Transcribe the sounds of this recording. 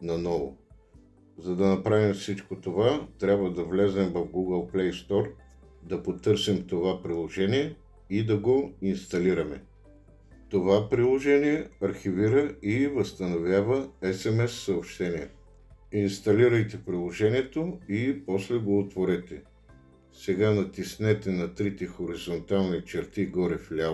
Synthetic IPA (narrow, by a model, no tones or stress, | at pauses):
nɐnɔvo̰ | zɐd̪ɐnɐpɾavimfsit͡ʃkot̪ovat̪ɾʲabvəd̪ɐvlɛzɛmvɐfɡuɡəlˠplɛjst̪ɔɾ | d̪ɐpot̪ɤɾsimt̪ovapɾilˠoʒɛniɛ | id̪ɐɡoinst̪ɐliɾɐmɛ̰ | t̪ovapɾilˠoʒɛniɛɐɾxiviɾəivɐst̪ɐnovʲjavəɛsɛmɛsːɐopʃt̪ɛniɛ | inst̪ɐliɾəjt̪ɛpɾilˠoʒɛniɛt̪oipɔslɛɡoːt̪voɾɛt̪ɛ | sɛɡanɐt̪isnɛt̪ɛnɐt̪ɾit̪ɛxoɾizont̪alˠnit͡ʃɛɾt̪iɡɔɾɛflʲal